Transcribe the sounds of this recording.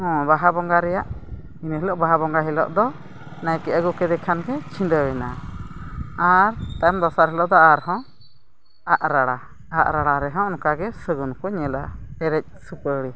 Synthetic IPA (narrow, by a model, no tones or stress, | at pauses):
hɔ̃baɦabɔŋɡaɾɛjaʔ | inəɦilɔʔbaɦabɔŋɡaɦɛlɔ̰ʔd̪ɔ | najkɛʔaɡukɛd̪ɛkʰanɡɛt͡ʃʰĩndəwɛna | aɾt̪amd̪ɔsaɾɦɛlɔʔd̪ɔaɾɦɔ̃ | aʔɾaɽa | aʔɾaɽaɾɛɦɔ̃ɔnkaɡɛsəɡunkɔɲɛla̰ɛɾɛc̚ˀsupəɽi